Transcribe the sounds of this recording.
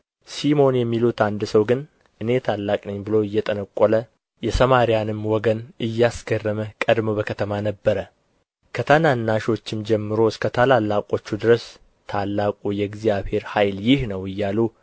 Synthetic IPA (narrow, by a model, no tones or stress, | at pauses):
simo̞njɛmːilut̪and̪səwɡɨn | ʔɨne̞t̪ʰalːakʼnɨɲːbɨloɨjːɛt̪ʼənəkʼːolə | jɛsəmaɾijanɨmwɔɡənɨjːasɡərːəməkʼəd̪mobəkʰət̪ʰəmanəbːəɾə | kʰət̪ʰananːaʃo̞t͡ʃːɪmd͡ʒɛmːɨɾo̞skʰət̪ʰalalːakʼo̞t͡ʃːud̪ɨɾəs | t̪ʰalːakʼujɛɡzijaβhe̞ɾhajljɪhnəwɨjːalu